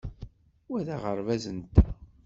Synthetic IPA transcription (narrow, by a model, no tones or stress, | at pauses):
wæðæʁəɾvæzənt̪ːæ